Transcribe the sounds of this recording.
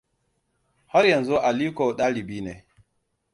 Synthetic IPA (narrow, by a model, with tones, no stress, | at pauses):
hɔ˦ɾja˨nzɔ˦ʔa˨liː˦ko˨ɗaː˦li˨biː˦ne˨